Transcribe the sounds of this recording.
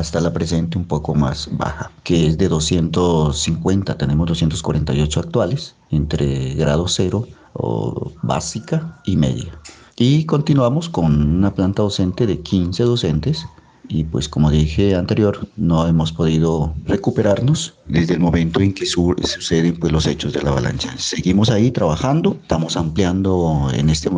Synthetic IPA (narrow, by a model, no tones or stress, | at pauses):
ast̪alapɾese̞nt̪eumpokoma̰sba̰xakeezðe̞ðo̞sje̞nt̪osiŋkwe̞nt̪at̪ene̞mozdosje̞nt̪o̞skwa̰ɾent̪ajo̞t͡ʃoak̚t̪wales | ent̪ɾḛɣɾað̞ose̞ɾo̞ | o̰βa̰sikaimḛðja | iko̞nt̪inwamo̞sko̞nunaplant̪aðo̞se̞nt̪e̞ðe̞kʰinse̞ðo̞se̞nt̪es | ipwe̞̰sko̞mo̞ðixe̞ant̪e̞ɾjo̞ɾno̞e̞mo̞spo̞ðiðore̞kupe̞ɾaɾno̞sd̪ezðelmõ̞mẽnt̪o̞e̞ŋkesususe̞ðempwe̞zlose̞t͡ʃo̞zðe̞̰laβa̰lʔa̰nsase̞ɣimo̞sait̪ɾaβaxand̪o̞st̪amosampljand̪oḛne̞st̪e